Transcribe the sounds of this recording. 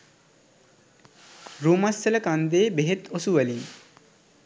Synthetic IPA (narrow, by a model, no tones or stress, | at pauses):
ɾuːmɐsːɐlɐkand̪eːbeɦet̪osuʋɐli